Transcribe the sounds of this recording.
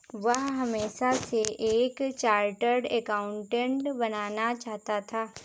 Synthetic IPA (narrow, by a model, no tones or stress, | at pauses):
ʋɐɦɦɐmeːʃaseʔeːkt͡ʃaːɾʈəɾɖɛkaːʊ̃ɳʈẽɳʈbɐnaːnat͡ʃaːɦt̪at̪ʰaː